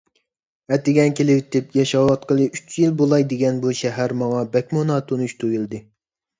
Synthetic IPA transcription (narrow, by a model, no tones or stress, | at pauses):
ɛt̪ɪɡʲɛnkʲelɪwt̪ʰɪpjɛʃɑwɑt̪̚qəlˠɨyt͡ʃjilbolˠɑjd̪eɡʲɛnbuʃɛɦæɾmɑŋɑbɛkʲmonɑːt̪ʰonuʃt̪ʰujilˠd̪ɨ